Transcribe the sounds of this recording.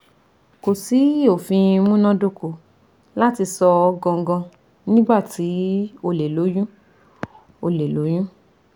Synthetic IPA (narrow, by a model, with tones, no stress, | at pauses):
ko˨si˨˦o˨fĩ˧mũ˦nɔ̃˦do˦˨ko˨ | la˦ti˧sɔ˧ɡɔ̃˧ŋ˦ɡɔ̃˧ | nĩ˦ba˦˨ti˨˦o˧le˨lo˨˦jũ˦ | o˧le˨lo˨˦jũ˦